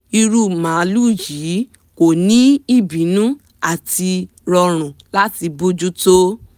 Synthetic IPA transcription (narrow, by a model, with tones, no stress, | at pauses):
i˧ɾu˦mã˨˦lu˦˨ji˨˦ | ko˨nĩ˦i˦˨bĩ˨˦nũ˦ | a˦˨ti˧ | ɾɔ˧ɾ̃ũ˨la˦ti˧bu˦d͡ʒu˦to˦